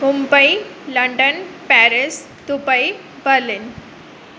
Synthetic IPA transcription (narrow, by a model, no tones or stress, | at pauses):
mumbəjləɳɖənpæɾis | t̪upəi | bəɾlin